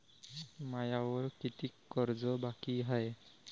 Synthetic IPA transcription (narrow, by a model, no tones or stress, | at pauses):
majawɔɹkitikːɔɹzɔbakiɦaj